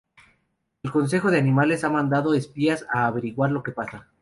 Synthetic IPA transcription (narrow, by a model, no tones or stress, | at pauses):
e̞lko̞ns̬e̞xo̞ðe̞anĩmale̞samãnd̪að̞o̞espiasaːβe̞ɾiɣwaɾlo̞ke̞pasa